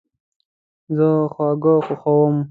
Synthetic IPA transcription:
zəxwɑːɡəxoxawəm

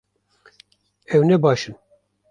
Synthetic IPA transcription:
ɛwnɛbɑːʃɨn

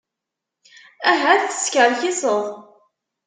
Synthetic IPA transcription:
æɦæθə̥skəɾçisəðˤ

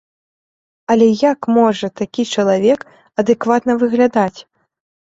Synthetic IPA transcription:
ɐlʲɛjakmɔʐɐt̪akʲit͡ʂɐlˠavʲɛk | ɐd̪ɨkvat̪nɐvɨɣlʲad̪at͡sʲ

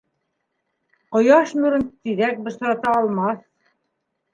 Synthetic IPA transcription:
qŏjɑʃmʉɾɘ̆nt̪iðæk̚bɤ̆ʃ̆ɾɑt̪ɑːlˠmɑθ

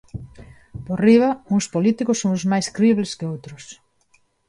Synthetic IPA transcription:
poriβauŋspolit̪ikʊsːoŋzmajskɾeiβleskɪowt̪ɾʊs

